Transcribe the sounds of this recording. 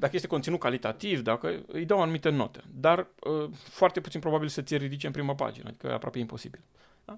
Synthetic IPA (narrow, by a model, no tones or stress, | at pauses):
d̪akəjest̪ekont̪inut̪̚kalit̪at̪ivd̪akə̰ɨ̰jd̪əwanumit̪eno̞̰t̪ed̪arəfoart̪eput̪sinpɾo̞babilsət̪sʲjeɾid̪it͡ʃeɨmpɾiməpa̰d͡ʒinə̰d̪ikə̰a̰pɾoapeimpo̞sibil | a